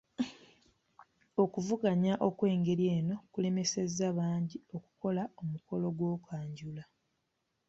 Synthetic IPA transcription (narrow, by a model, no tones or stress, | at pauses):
o̞kuvuɡaɲaʔo̞kwe̞ːŋɡe̞ɾjeːno̞kule̞me̞se̞zːaβaːɲɟio̞ku̥ko̞laomuko̞lo̞ɡwo̞ːkwaːɲɟula